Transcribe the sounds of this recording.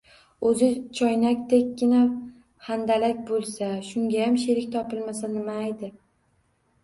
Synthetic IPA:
ɵzɪt͡ʃʰɒjnakʲt̪ʰekʲːɪna | hand̪alakʲbolˠsaʃʊŋɡʲajamʃeɾɪkʲt̪ʰɒpɪlmasanɪmajd̪ɪ

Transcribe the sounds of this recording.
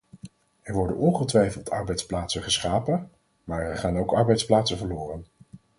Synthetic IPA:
ɛɹʋɔɹdə̰nʔɔnχəltʋɛjfəlˠtʰɑɹbɛjtsplaːtsəχəsχaːpə | maːɹɛɹχaːnowkɑɹbɛjtsplaːtsəvəɹlʊːrən

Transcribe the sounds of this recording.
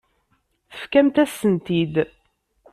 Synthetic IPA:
θə̥fkæmt̪æsənt̪id̪

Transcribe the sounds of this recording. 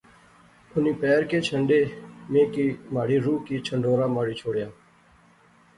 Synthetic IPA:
ʊniːpɛːɾkeːt͡ʃʰəɳɖeːmẽːkiːmaːɽiːɾuːkiːt͡ʃʰəɳɖoːɾaːmaːɽiːt͡ʃʰoːɽjaː

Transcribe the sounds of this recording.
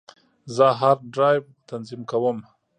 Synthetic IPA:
zəɦaɾɖɾɑjb | t̪anzimkawəm

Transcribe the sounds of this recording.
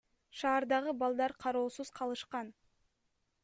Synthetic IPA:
ʃɑːɾd̪ɑʁɯbɑlˠd̪ɑɾqʰɑɾo̞ːsuz̥qʰɑlˠɯʃqɑn

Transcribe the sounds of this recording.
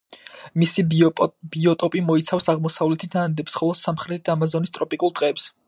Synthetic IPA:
misib̥iɔt̪ʼɔpʼimɔit̪sʰafsaʁmɔsavlɛt̪ʰid̪aand̪ɛpsχɔlˠɔsamχɾɛt̪ʰid̪amazɔnist̪ʼɾɔpʼikʼulˠt̪ʼqʼɛːps

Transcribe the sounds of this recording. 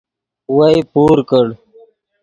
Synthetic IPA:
wajpuːɾkəɽ

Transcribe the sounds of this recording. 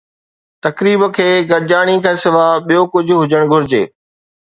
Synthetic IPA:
t̪ɐkɾiːbə̆kʰeːɡɐɾd͡ʑaːɽ̃ikʰãːsɪʋaːɓijokʊd͡ʑʱʊɦʊd͡ʑəɽ̃ɡʱʊɾɪd͡ʑḛː

